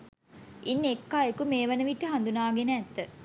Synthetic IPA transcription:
inːekːaːekumeːʋənəʋiʈːəɦɐnd̪unaːɡenəɛt̪ːə

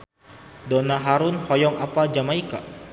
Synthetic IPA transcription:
dɔnaɦaɾunhɔjɔŋapad͡ʒamaika

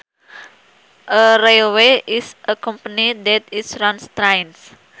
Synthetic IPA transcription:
ʔəɾelweʔisʔəkɔ̃mpənid̪ɛt̪isɾãnst̪ɾajns

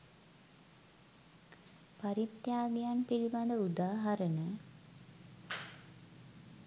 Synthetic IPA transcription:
paɾit̪jaːɡejanpiliband̪əud̪aːɦɐɾənə

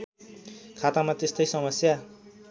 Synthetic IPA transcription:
kʰat̪amat̪est̪ʌjsʌmʌsja

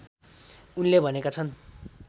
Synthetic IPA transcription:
unlebʱʌnekat͡sʰʌn

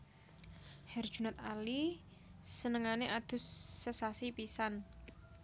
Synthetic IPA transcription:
hɛrd̥ʒ̥unat̪̚ali | sənəŋaneʔad̪̥ʊ̤sːəsasipisan

